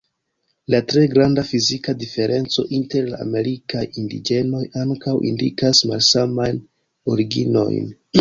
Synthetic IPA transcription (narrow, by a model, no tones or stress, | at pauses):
latɾe̞ɡɾandafizikadife̞ɾʔe̞nt͡so̞ʔinte̞ɾla̰ːme̞ɾikajindḭd͡ʒe̞no̞jaŋkawʔḭndikasmalsamajn | o̞ɾiɡino̞̰jn